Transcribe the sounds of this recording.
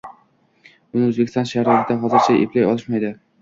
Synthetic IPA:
ʊnɪɵzbekʲʰɪst̪ɒ̃nʃaɾɪd̪aɦɒzɪɾt͡ʃʰaeplajɒlˠɪʃmajd̪ɪ

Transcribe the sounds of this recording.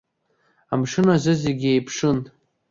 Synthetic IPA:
amʂɨnazɨzeɡʲejpʰʂɨn

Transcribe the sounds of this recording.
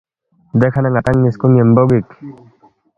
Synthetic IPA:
d̪ekʰanaŋat̪aŋːiskuŋjemboɡik

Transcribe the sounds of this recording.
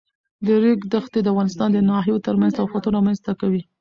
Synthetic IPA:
d̪əɾeɡd̪əxt̪ed̪əafɣɑnɪst̪ɑnd̪ənɑɦijot̪əɾmanzt̪afat̪uɾmanzt̪akawi

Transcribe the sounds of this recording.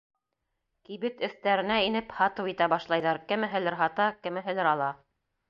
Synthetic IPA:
kiβɘt̪ɵ̆θt̪æɾɘ̆næinɘphɑt̪ɤwit̪æbɑʃlˠɑjðɑɾkɘ̆mɘ̆ɦɘ̆lɘɾɦɑt̪ɑkɘ̆mɘ̆ɦɘ̆lɘɾɑlˠɑ

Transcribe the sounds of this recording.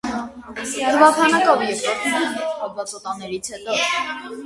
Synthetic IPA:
əɾvɑpʰɑnɑkɔvjɛɾkɔɾt̪ʰnɛnɛtɑvɑt͡sɔt̪ɑnːɛɾit͡sʰhɛt̪ɔ

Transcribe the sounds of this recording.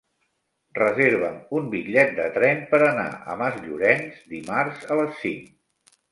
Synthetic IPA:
rəzeɾβ̞əmumbikʎɛt̪̚d̪ət̪ɾɛmpəɾəna̰ʔə̰məzʎuɾɛnzd̪imarzələsːiŋk

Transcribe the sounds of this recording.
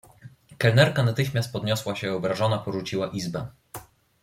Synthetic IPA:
kɛlnɛɾkanat̪ɘxmʲast̪̚pɔd̪ɲɔswaɕɛɔbɾaʐɔnapɔʐut͡ɕiwaʔizbɛ

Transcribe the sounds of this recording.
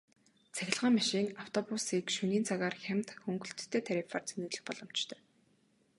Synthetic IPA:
t͡sʰæxʲɪ̆ɮʁaːŋmaʃiːŋaw̥t̪ʰɔpusiːkʃuniːnt͡saɣaːrxæm̥t̪xɵŋɡɵ̆ɬt̪̆ʰːeːt̪ʰæɾifart͡sʰenuːɮɘ̆xpɔɮɞ̆m̥t͡ɕt̪ʰœː

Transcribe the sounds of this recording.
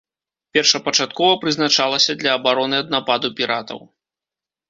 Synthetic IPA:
pʲɛrʂɐpɐt͡ʂat̪kɔvɐpɾɨznat͡ʂalˠɐsʲɐd̪lʲɐːbaɾɔnɨɐd̪̚napad̪upʲiɾat̪ɐ̰w

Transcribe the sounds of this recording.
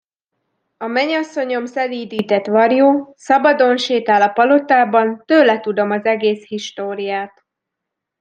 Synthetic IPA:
ɒmɛɲɒsːo̞ɲo̞msɛliːd̪iːt̪ɛt̪ʋɒrjoːsɒbɒd̪o̞nʃeːt̪aːlɒpɒlo̞t̪aːbɒnt̪øːlɛt̪ud̪o̞mɒzɛɡeːshiʃt̪oːɾijaːt̪

